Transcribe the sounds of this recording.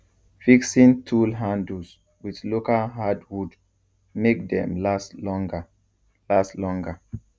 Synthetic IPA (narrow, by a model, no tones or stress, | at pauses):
fiksĩntʰulɦãndus | wiðlokalɦadwud | mek̚dɛ̰̃mlaslɔŋɡa | laslɔ̃ŋɡə